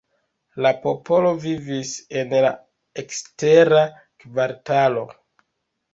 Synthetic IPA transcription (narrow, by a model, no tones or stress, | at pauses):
lapo̞po̞lo̞vivise̞nla̰ | ekste̞ɾa | kvaɾtalo̞